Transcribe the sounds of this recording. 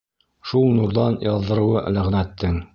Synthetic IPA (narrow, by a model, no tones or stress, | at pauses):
ʃulˠnuɾðɑnjɑðːɤ̆ɾɤ̆wɤʔlæʁnæt̪ːɘŋ